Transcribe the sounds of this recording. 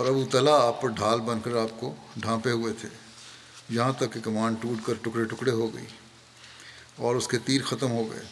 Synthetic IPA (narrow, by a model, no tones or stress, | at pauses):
ɔːɾɐbut̪ɐlaaːpːɐɾɖʱaːlbɐ̃nkɐɾaːp̚koɖʱãːpeɦʊet̪ʰeː | jɐɦãt̪ɐkːekɐmãːɳɖʈuːʈkɐɾʈʊkɽeʈʊkɽeɦoɡɐ̰ḭː | ɔːɾʊsket̪iːɾxɐt̪əmɦoɡɐ̰ḛː